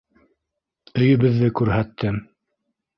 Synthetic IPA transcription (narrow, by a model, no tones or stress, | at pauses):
ɵ̆jɵ̆βɘ̆ðːɘkʉɾɦæt̪ːɘm